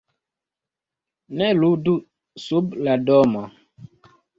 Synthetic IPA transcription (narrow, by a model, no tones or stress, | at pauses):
nɛludu | subladɔmɔ